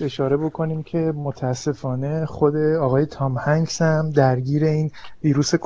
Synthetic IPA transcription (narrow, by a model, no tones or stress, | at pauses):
e̞ʃɒːɾe̞bo̞kʰo̞niːmcʰe̞mot̪ʰæːsːe̞fɒːne̞χo̞d̪e̞ɒːɣɒːje̞t̪ʰɒːmhæŋɡsæmd̪æɾɟiːɾe̞iːnviːɾuːse̞k